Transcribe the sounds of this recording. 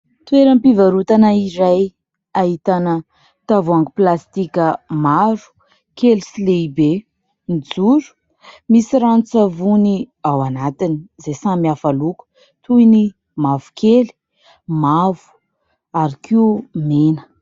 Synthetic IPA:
t̪weɾəmpivaɾut̪anaiɾaj | aɦit̪anə | t̪avuaŋɡiplast̪ikʲəmaɾu̥ | kelisileibe | nid͡zuɾu̥ | misiɾant͡savuniawanat̪inizesamiafaluku̥ | t̪uini | mavu̥kʰeli̥ | mavu̥ | aɾikʰiumenə̥

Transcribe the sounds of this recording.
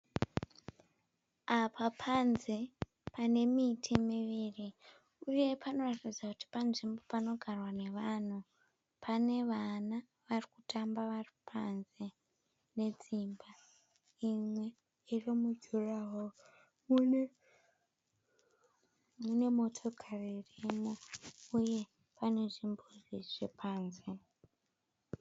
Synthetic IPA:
apʰapʰanze̞ | pane̞mitʰimiʋiːri | uje̞pʰano̞ratid͡zakuti̥panʐimbo̞pano̞ɡʱarwane̞ʋan̤u | pʰane̞ʋana | ʋarikutʰambaʋaripʰanze̞ | ne̞d͡zimba | imwe̞ | irimud͡ʒʱuraɦo | mune | mune̞mo̞tʰo̞kʰaririmouje̞ | pane̞ʐimboʐiʐ̥epʰaːnze

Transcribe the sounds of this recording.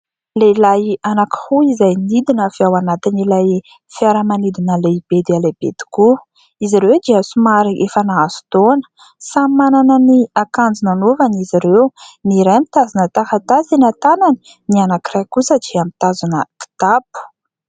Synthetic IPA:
leilajanakə̥huizajnid̪inəfiawanat̪inilaj | fiaɾəmanid̪inəleb̥ed̪ialebḛd̪i̥ku | iziɾewd̪iəsumaɾiʔefanaazu̥t̪onə̥ | sammananəniakand͡zinanovaniziɾewniɾajmit̪azunət̪aɦat̪asinat̪anani̥ | nianakirajkusəd͡ʒiamit̪azunəki̥t̪apu̥

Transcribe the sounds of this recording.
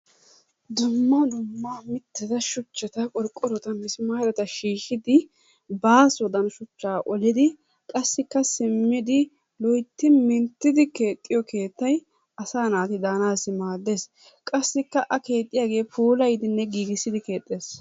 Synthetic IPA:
d̪ʊmːɐd̪ʊmːaːmɪt̪ːɪd̪ɐʃʊt͡ʃːɛt̪ɐkʼɔɾkʼːɔɾɔt̪ɐmɪsmaːɾɛt̪ɐʃiːʃɪd̪ɪ | baːsɔd̪ɐnʃʊt͡ʃːaːʔɔlɪd̪ɪ | kʼɐsːɪkːɐsɪmːɪd̪ɪ | lɔjt̪ːɪmɪnt̪ːɪd̪ɪke̞ːt̪ʼːɪjɔkʰe̞ːt̪ːɐj | ɐsaːnaːt̪ɪd̪aːnaːsːɪmaːd̪ːeːs | kʼɐsːɪkːɐʔɐke̞ːt̪ʼːɪjaːɡe̞ːpʰuːlɐjd̪ɪnːɛɡiːɡɪsːɪd̪ɪke̞ːt̪ʼːeːs

